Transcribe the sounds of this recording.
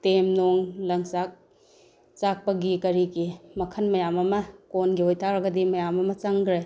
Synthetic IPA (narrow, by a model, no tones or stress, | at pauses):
temnoŋlɐŋt͡ʃak̚ | t͡ʃak̚pɐɡikɐɾiɡimɐkʰɐnmɐjamɐmɐkonɡihojtʰaɾɐɡɐdimɐjamɐmɐt͡ʃɐŋɡɾe